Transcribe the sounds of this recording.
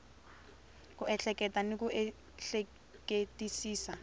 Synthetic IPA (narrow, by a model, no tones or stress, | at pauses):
kʊɛɬɛkɛtanɪkuɛ | ɬɛ | ketʼisiːsa